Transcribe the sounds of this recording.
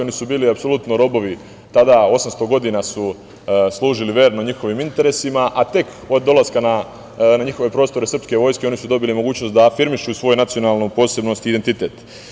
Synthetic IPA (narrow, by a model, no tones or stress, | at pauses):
o̞nisubiːliapso̞lˠut̪noɾo̞bo̞ʋi | t̪ad̪ao̞samst̪o̞ɡo̞d̪inasu | slˠuːʒiliʋe̞ːɾnoɲixo̞ʋimint̪e̞ɾe̞simaʔat̪e̞k | o̞d̪ːo̞lˠaskana | naɲixo̞ʋe̞pɾo̞ːst̪o̞ɾesr̩pske̞ʋo̞jskeo̞nisud̪o̞bilimo̞ɡuːt͡ɕnost̪d̪afiɾmiʃusʋo̞ːjnat̪sio̞naːlnopo̞ːse̞bno̞st̪id̪ent̪it̪et̪